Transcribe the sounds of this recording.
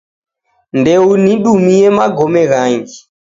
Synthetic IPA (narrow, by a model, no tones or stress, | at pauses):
ndɛuniɗumijɛmaɡɔmɛɣaːŋɡi